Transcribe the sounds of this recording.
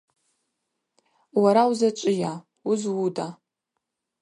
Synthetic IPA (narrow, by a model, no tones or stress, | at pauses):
waɾawzat͡ʃʷʼɪja | ʊzwuda